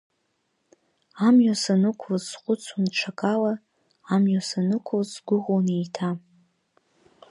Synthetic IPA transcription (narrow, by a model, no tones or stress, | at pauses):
amjasanɨkʷʰlzːqʷʼʊt͡sʰunʈ͡ʂʰakʼalaː | mjasanɨkʷʰzɡʷʊʁʷonejtʰa